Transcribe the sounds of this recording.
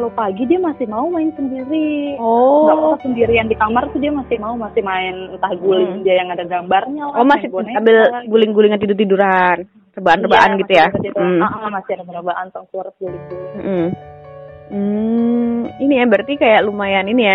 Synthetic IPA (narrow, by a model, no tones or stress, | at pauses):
kalopaɡidiamasɪhmaumaɪnsəndiɾiɔaasəndiɾiandikamart̪udiamasɪhmaumasɪhmaɪnt̪ahɡulɪŋdiajaŋadaɡambarɲaɔmasɪnambɪlɡulɪŋɡulɪŋkət̪̬idʊrt̪iduɾan | rəbaanrəbaʔanɡit̪ujam̩aʔamasɪhadəbanəbaʔant̪ɔŋsuɾət̪̚daɡit̪um̩ʔm̩ | m̩ | inijabərt̪ikajaʔlumajaninija